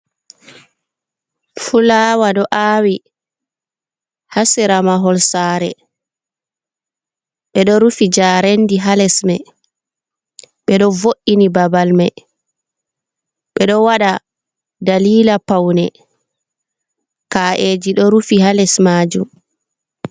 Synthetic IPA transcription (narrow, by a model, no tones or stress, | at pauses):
fulaːwaɗɔʔaːwi | hasiɾamaɦɔlsaːɾɛ̰ | ɓɛɗɔɾufid͡ʒaɾendiɦalɛsmɛ | ɓɛɗɔvoʔinibabalmɛ | ɓɛɗɔwaɗa | daliːlapawnɛ | kaːʔed͡ʒiɗɔɾufihalɛsmaːd͡ʒum